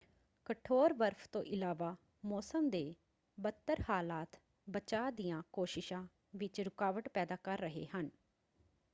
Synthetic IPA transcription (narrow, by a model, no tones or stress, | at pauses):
kəʈʰoːɾʋəɾpʰt̪õ̰ːʔɪlaːʋaː | mɔːsəmd̪eː | bət̪ːəɾhaːlaːt̪ | bət͡ʃaːd̪ɪjãːkoːʃɪʃãː | ʋɪt͡ʃɾʊkaːʋəʈpɛːd̪aːkəɾːəɦḛːɦən